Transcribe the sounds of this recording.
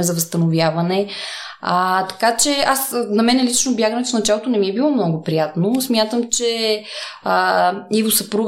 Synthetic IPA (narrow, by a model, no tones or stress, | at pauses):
ɛzɐvəst̪ɐnovjavɐnɛ | ət̪ɐ̥kat͡ʃɛasnɐmɛnɛlit͡ʃnobjaɡənɛt̪fnɐt͡ʃalˠot̪onɛmiɛbilˠɔmnɔɡopɾijat̪nosmʲjat̪əmt͡ʃɛ | ivosɐpɾuɡ